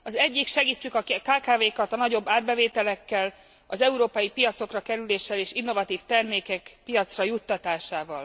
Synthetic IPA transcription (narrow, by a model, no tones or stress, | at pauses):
ɒzɛɟːikʃɛɡiːt͡ʃːykɒkaːkaːveːkɒt̪ɒnɒɟo̞bːaːrbɛveːt̪ɛlɛkːɛl | ɒzɛuɾoːpɒjipijɒt̪so̞krɒkɛɾyleːʃːɛleːʃinːo̞vɒt̪iːft̪ɛrmeːkɛkpijɒt̪srɒjut̪ːɒt̪aːʃaːvɒl